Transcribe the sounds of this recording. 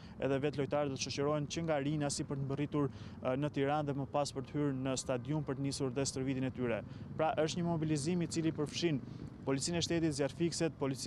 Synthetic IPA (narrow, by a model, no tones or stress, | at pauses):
ɛ̰ðɛvɛt̪lɔjt̪aɾɛd̪ɔt̪əʃɔt͡ɕəɾɔɛnt͡ɕəŋɡaɾinasipəɾt̪əmbərit̪uɾnət̪iɾanðɛməpaspəɾt̪əhyɾnəst̪ad̪jumpəɾt̪ənisuɾðɛst̪əɾvit̪inɛt̪yɾɛpɾaʔəʃt̪ɲəmɔbilizimit͡silipəɾfʃinpɔlit͡sinɛʃt̪ɛt̪it̪zaɾfiksɛt̪̚pɔlit͡s